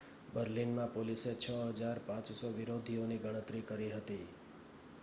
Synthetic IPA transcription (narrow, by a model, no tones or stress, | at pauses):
bəɾlinmãpoliset͡ʃʰəɦəd͡ʒaɾpãt͡ʃsɔʋɪɾod̪ʱioniɡəɽ̃ət̪ɾikəɾiɦət̪i